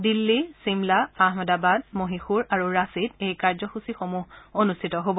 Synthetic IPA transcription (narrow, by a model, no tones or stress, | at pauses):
dilːisimlaaɦmɔdabad̚moɦixuɹaɹuɹasitejkaɹzɔxusixomuɦonustʰitɔɦobɔ